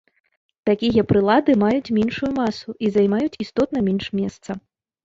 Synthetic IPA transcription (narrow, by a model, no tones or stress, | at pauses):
t̪akʲijɐpɾɨlˠad̪ɨmajut͡sʲmʲɛnʂujumasuʔizajmajut͡sʲist̪ɔt̪̚nɐmʲɛnʂmʲɛst̪sɐ